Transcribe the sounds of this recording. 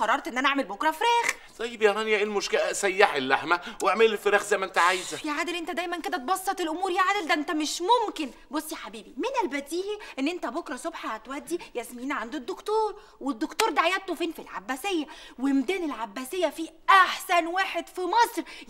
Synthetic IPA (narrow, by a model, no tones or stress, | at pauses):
ɑɾˤːɑɾˤt̪ʔenːʔænæʔaʕmelbokɾˤɑfeɾæːx | t̪ˤɑjːebjænænjæʔelmoʃkelæsæjːaħelːaħmæwʔaʕmelelfeɾæːxzæjmæʔent̪æʕajzæjæʕaːd̪elʔent̪æd̪æjmænked̪æt̪̚bɑsˤːɑt̪ˤelʔomuːɾjæʕaːd̪eld̪æʔent̪æmeʃmomkenbosˤːjæħabiːbimenælbæd̪iːʔʔenːʔent̪æbokɾˤɑsobħaat̪wæʔd̪ːijæsmiːnʕand̪od̪ːokt̪oːɾˤ | wed̪ːokt̪oːɾˤd̪aʕajæt̪t̪ːofiːnfilʕa̰bːæsejːæwemd̪æːnelʕabːæsejːæfiʔaħsænwaːħed̪fimɑsˤɾ